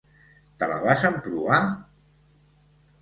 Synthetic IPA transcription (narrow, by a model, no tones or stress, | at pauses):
t̪əla̰βazəmpɾuβa